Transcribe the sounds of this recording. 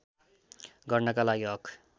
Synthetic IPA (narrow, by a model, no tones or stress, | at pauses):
ɡʌrnʌkalaɡiɦʌkʰ